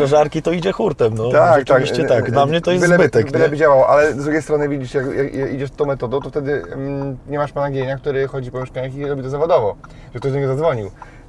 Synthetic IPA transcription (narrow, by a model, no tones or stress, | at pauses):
aʐaɾkʲit̪ɔid͡ʑɛxuɾt̪ɛmnɔt̪akt̪aiɕt͡ɕɛakd̪lamɲɛt̪ɔjɛsb̪bɘt̪ɛkbɘlɛbɘd͡ʑawawɔʔalɛzd̪ɾuɡʲejst̪ɾɔnɘvʲid͡ʑiʂjakjakjaid͡ʑɛʂt̪ɔ̃w̃mɛt̪ɔd̪ɔ̃t̪ɔft̪ɛd̪ɘ | ɲɛmaʂpanaɡʲjeɲak̚t̪uɾɘxɔd͡ʑipɔmʲɛʂkaɲaxiɾɔbʲit̪ɔzavɔd̪ɔvɔ | ʐɛk̚t̪ɔjd̪ɔɲɛɡɔzad̪zvɔɲiw